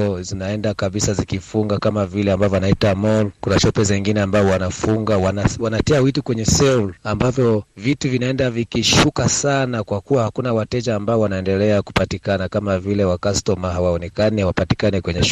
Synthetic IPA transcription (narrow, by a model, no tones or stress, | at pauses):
ɔzinaɛndakaɓisazikifuŋɡakamavilɛambavɔanaitamɔlkunaʃɔpɛzɛŋɡinɛambaɔwanafuŋɡawanawanatɛawitukwɛɲɛsɛulambavjɔvituvinaɛndavikiʃukasanakwakuwahakunawatɛd͡ʒaːmbaɔwanaɛndɛlɛaku̥patikanakamavilɛwakastɔmaɦawaɔnɛkanihawapati̥kanikwɛɲɛʃ